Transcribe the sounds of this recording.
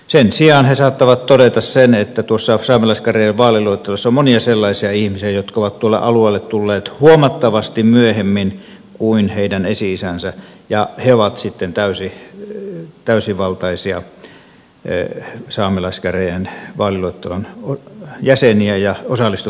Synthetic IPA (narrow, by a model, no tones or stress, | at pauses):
sensiɑːnhesɑːt̪ːɑʋɑt̪t̪odet̪ɑssenet̪ːæt̪uosːɑsɑːmelɑiskæreˑjeʋʋɑːliloet̪ːelɑsːommoniɑselːɑisiɑihmisiæjot̪kɑoʋɑt̪t̪uolːḛʔɑluelːet̪t̪ulːeːt̪huomɑt̪ːɑʋɑst̪immyøhemːin | kuinheidænesiisænsæjɑheoʋɑt̪sit̪ːent̪æysi | t̪æysiʋɑlt̪ɑisiɑ̰ | sɑːmelɑiskæreˑjenʋɑːliluet̪ːelonojæseniæjɑosɑlːˑist̪u